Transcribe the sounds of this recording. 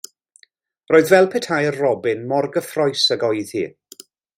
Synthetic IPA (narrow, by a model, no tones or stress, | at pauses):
roːɨðvɛlˠpʰɛtʰhajərrɔbɪnmɔrɡəfrɔɨsəɡɔjð̥hḭː